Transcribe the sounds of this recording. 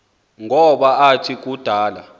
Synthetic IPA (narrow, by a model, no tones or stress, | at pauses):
ŋʱɔɓaatʰik̬ʼud̥ʱaːla̰